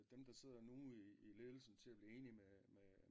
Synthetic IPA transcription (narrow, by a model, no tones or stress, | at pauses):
d̥emd̥ɑ̈se̝ð̞̰ˠɐnuːiile̝ðˠl̩sn̩t͡sʰe̝læb̥liːe̝ːnimeme